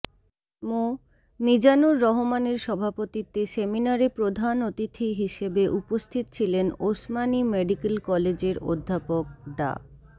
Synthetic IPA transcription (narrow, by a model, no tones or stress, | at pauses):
mo | mid͡ʑanoɾːɔɦomaneɾʃɔbʱapot̪it̪eseminaɾepɾod̪ʱanot̪it̪ʰiɦiʃebeʔupost̪ʰit̪o̥t͡ɕʰilenosmanimeɖikelkɔled͡ʑeɾo̰d̪ʱːapok̚ɖa̰